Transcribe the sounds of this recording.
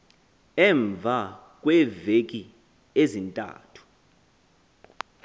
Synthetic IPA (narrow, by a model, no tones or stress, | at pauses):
ɛɱvʱakʼwɛvekʼi | ezintʼa̰ːtʰu̥